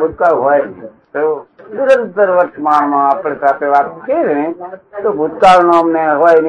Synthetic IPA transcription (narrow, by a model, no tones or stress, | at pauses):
bʱud̪̚kaɦojni | t̪onɪɾənt̪əɾʋəɾʃmaɳmãapɽ̃esat̪ʰeʋat̪keɾnet̪obʱʊd̪kaɾnoəmneɦojn